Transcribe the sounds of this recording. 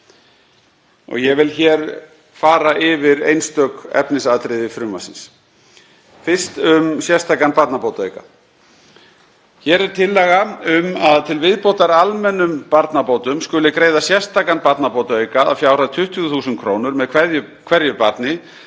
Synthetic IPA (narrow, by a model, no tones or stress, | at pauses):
ɔ̰ɣjɛvɪlçɛɾ | faːɾaʔɪvɪɾḛjnst̪œːkɛ̰pnɪsaːðt̪ɾɪðɪfɾʏmva̰sɪns | fɪr̥st̪ʏmsjɛst̪ʰaːkanpaɾt̪napowt̪aeɥka̰ | çɛːɾɛɾ̥t̪ʰɪlːɛɣaʏmaðt̪ʰɪlvɪðpowt̪aɾalmɛnːʏmpaɾt̪napoːwt̪ʏmskʏlɪkɾeːjðasjɛ̥st̪aːkanpat̪napowt̪aeɥkaa̰fjaːwɾaðt̪ʰʏht̪ʏʏθuːsʏn̚kʰɾoːwnʏɾmɛðkʰvɛjʏkʰv̥ɛɾjʏpat̪nɪ